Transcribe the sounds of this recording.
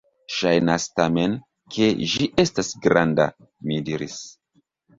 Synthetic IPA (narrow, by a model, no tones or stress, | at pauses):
ʃajnastame̞n | kʰe̞ʒiʔe̞stasɡɾanda̰ | midiɾis